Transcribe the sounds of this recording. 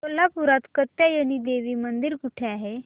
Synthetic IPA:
əlːapuɾat̪kət̪ːjajəɽ̃id̪eʋiːmənd̪iɾkuʈʰeaɦe

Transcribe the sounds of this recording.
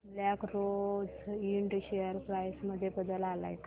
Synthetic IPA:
blakɾod͡ziɳɖɕejəɾpɾajsməd̪ʱːjebəd̪əlala̰jka

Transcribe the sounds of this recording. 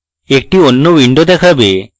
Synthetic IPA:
ek̚ʈionːowiɳɖod̪ɛkʰabe

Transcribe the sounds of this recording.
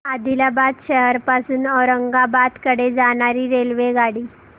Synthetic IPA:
ad̪ʱilabat̪ɕəɦəɾpasuːnɔɾəŋɡabat̪kəɽed͡zaɽ̃aɾiːɾelʋeɡaɽiː

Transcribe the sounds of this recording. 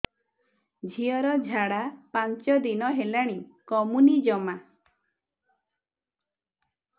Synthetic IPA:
d͡ʒʱiɔɾɔd͡ʒʱaɽapant͡ʃɔd̪inɔɦelaɽ̃ikɔmunid͡ʒɔma

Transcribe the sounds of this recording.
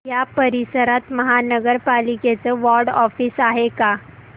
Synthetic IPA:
japəɾisəɾat̪məɦanəɡəɾpaliket͡səʋɔɾɖɔfiːsaɦeka

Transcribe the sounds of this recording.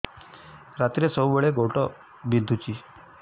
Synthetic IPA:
ɾat̪ɾesəwʋəɭeɡoʈɔ | bind̪ʱut͡ɕiː

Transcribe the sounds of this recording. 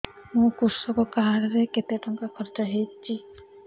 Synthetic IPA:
mũkuɾsɔkɔkaɦaɾɔɾeket̪eaʈɔŋkakʰɔɾd͡ʒɔɦejt͡ʃʰi

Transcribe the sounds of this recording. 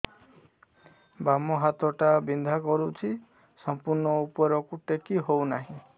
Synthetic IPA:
bamɔɦat̪ɔʈabind̪ʱakɔɾut͡ʃʰi | sɔmpuɾɳɔupɔɾɔkuʈekiɦownaɦĩ

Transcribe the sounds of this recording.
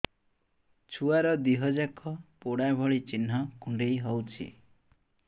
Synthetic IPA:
t͡ʃʰuaɾɔd̪iɦɔd͡ʒakɔpoɽabʱɔɭit͡ʃin̤ːɔkuɳɖejɦɔwt͡ʃʰḭ

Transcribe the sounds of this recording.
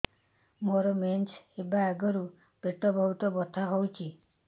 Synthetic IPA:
mɔɾɔment͡ʃebaeɡɔɾu | b̥eʈɔbʱɔɦut̪ɔbɔt̪ʰaɦowt͡ʃʰi

